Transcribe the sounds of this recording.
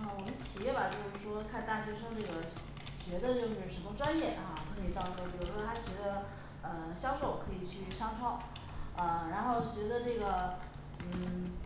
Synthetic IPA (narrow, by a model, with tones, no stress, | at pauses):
xwɔ˨˩m˥t͡ɕʰi˨˩jɛ˥˩bɐ˨t͡ɕjo˥˧ʊʂɻ̩˥˩ʂwɔ˥kʰa˥˧nt̪a˥˩ɕɥɛ˧˥ʂɤ˥ʊʈ͡ʂɤ˥˩ɡə˩ | ɕɥɛ˧˥d̪ə˧t͡ɕo˥˧ʊ˥˩˥ʂɻ̩˧˥mo˥ʈ͡ʂwa˥njɛ˥˩a˧kʰɤ˧˥i˨˩t̪ɑ˥˧ʊʈ͡ʂɤ˥˩pi˨˩ɻu˧˥˩ʂwɔ˥a˥ɕɥɛ˧˥d̪ə˧ | ə˧˩ɕjɑ˥ʊʂo˥˩ʊkʰɤ˧˥i˨˩t͡ɕʰy˥˩ʂɑ˥ŋʈ͡ʂʰɑ˥ŋ | ə˧ɻa˧˥nxo˥˩ʊɕɥɛ˧˥d̪ə˧ʈ͡ʂɤ˥˩ɡə˩ | n̩˥˩